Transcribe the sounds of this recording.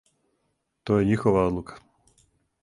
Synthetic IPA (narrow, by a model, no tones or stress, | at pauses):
t̪ɔjɛɲixɔʋaɔd̪lˠukḁ